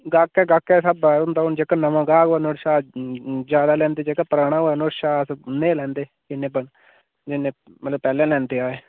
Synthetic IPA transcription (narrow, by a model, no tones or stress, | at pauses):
ɡaːkːɛːɡaːkːɛːsəbaːʊnd̪aːʊnd͡ʒeːkaːnəʋãːɡaːɡaːnoʈʃaːd͡ʒjaːd̪aːlɛ̃ːnd̪eːd͡ʒeːkaːpəɾaːnaːnoɾʃaːsnẽːlɛ̃ːnd̪eː | d͡ʒɪnːẽːbən | d͡ʒɪnːẽːmət̪ləbpɛːlɛ̃ːlɛ̃ːnd̪eːaːeː